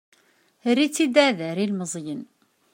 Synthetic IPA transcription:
rːit͡sːid̪æðəɾilməzˤjən

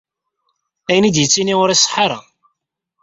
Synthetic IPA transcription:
æjənid̪jət͡sːiniʊɾisˤħɑɾˤɑ̰

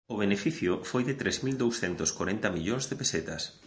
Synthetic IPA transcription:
ʊβ̞enefiθjʊfojðɪt̪ɾɛzmild̪owsθɛnt̪ʊskoɾɛnt̪ɐmiʎoŋzðepeset̪ɐs

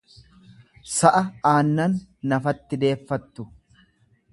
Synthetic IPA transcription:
sɐʔɐaːnːɐnːɐfɐt̪ːɪd̪e̞ːfːɐt̪ːʊ

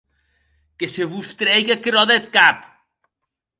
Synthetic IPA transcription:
keseβust̪ɾɛjɣakɾɔðet̪̚kap

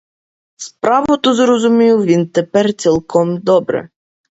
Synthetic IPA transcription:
spɾavɔt̪ɔzɾɔzumʲijuvʲint̪ɛpɛɾt̪sɛlˠkʰɔmd̪ɔbɾɛ̰

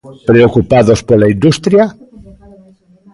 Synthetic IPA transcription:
pɾeokupaðospolaind̪ust̪ɾja

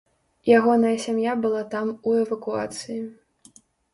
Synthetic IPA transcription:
jaɣɔnɐjɐsʲamjabɨlˠat̪amuɛvɐkua̰t̪sɨji

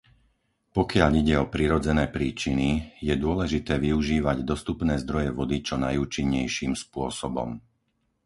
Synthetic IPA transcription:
pɔkɪaʎiɟɛɔpɾiɾɔd͡zɛnɛːpɾiːt͡ʃinijɛd̪ʊɔlɛʒit̪ɛːʋiuʒiːʋaɟd̪ɔst̪upnɛːzd̪ɾɔjɛʋɔd̪it͡ʃɔnajuːt͡ʃiɲːɛjʃiːmspʊɔsɔbɔ̰m

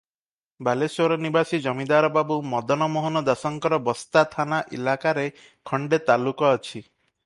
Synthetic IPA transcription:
balesɔɾɔnibasid͡ʒɔmid̪aɾɔbabumɔd̪ɔnɔmɔɦɔnɔd̪asɔŋkɔɾɔbɔst̪at̪ʰanaʔḭlakaɾe | kʰɔɳɖet̪alukɔːt͡ʃʰi

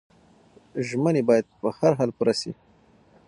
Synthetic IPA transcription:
ʒmənebɑjad̪̚pəhaɾɦalpuɾasḭ

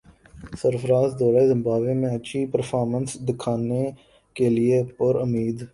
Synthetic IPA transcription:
səɾfəɾaːzd̪ɔːɾaezɪ̃mbaːbẽmẽɐt͡ʃʰipəɾfʰɔːɾmə̃nsd̪ɪkʰaːne | keliepʊɾʊmiːd̪

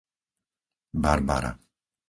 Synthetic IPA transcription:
baɾba̰ɾa̰

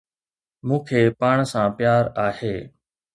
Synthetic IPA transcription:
mũːkʰeːpaːɳ̃sãːpjaːɾaːheː

